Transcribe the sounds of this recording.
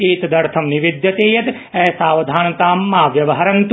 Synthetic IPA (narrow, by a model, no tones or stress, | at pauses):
eːt̪d̪ɐɾt̪ʰɐmniʋid̪jɐt̪eːjɐt̪ | ɛɦsaːʋɐd̪ʱaːnɐt̪aːmːaːʋjɐʋɐɦɐɾɐnt̪